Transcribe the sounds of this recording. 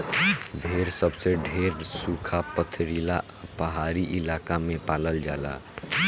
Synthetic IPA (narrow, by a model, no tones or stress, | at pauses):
bʱeɾsəbseɖʱeːɾsukʰapət̪ʰɾila | pəɦaːɾiʔɪlaːkamẽpaːləld͡ʒaːla̰